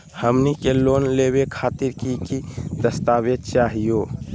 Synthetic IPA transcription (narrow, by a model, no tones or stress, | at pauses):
həmnikeloːnleːbekʰaːt̪iɾkikid̪əst̪aːwed̪̚t͡ʃaːɦijo